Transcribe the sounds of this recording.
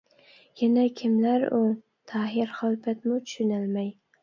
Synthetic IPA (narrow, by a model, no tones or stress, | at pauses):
janakʲʰɪmlaɾʊ | t̪ʰaɦɪɾχɒlˠbat̪mʊt̪ʰʊ̥ʃʊnalmaj